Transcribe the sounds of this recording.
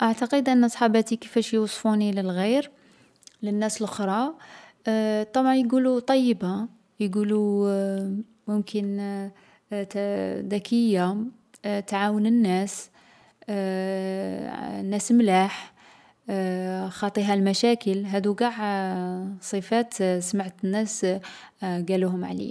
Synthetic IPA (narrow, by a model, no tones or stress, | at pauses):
ʔaʕt̪ɑqəd̪ʔənːsˤħɑbæt̪ikəfæʃjwsˤfuniləlɣiɾ | lənːæsəlʔəxɾˤɑ | t̪ˤɑbʕɑnjɡulut̪ˤɑjːəba | jɡulu | mʊmkʰən | t̪d̪ækʰəjːa | t̪ʕawənənːæs | nːæsmlaħ | xɑt̪ˤiɦælmæʃækəlɦæd̪uɡɑʕ | sˤəfæt̪smaʕt̪ənːæs | ɡæluɦʊmʕa̰lḭ